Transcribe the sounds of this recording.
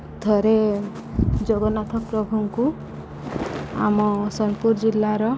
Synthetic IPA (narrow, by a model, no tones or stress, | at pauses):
d̪ʱɔɾe | d͡ʒoɡɔnat̪ʰɔpɾɔbʱuŋku | a̰mɔsɔnpuɾd͡ʒilːaɾɔ